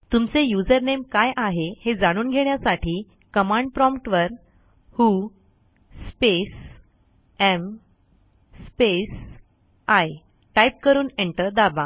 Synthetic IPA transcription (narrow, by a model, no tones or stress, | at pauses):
t̪umt͡sejud͡zəɾnemkajʔaɦehed͡zaɽ̃uːnɡʱeɳ̃jasaʈʰiː | kəmãɳɖ̚pɾɔmpʈʋəɾ | huː | spes | em | spes | aj | ʈajp̚kəɾuːneɳʈəɾd̪aba